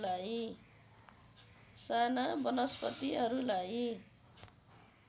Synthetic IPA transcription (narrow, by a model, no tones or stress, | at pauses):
laj | sanabʌnʌspʌt̪iɦʌɾulaj